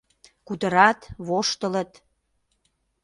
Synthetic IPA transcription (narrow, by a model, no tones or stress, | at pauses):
kut̪əɾɑt̪βoʃt̪ələt̪